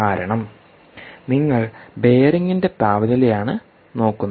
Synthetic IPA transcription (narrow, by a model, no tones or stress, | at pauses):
aːɾɐɳɐm | niŋːɐɭbe̞ːɾɐŋːinde̞p̪aːʋɐðilejaːɳɨ | no̞ːkːunːɐ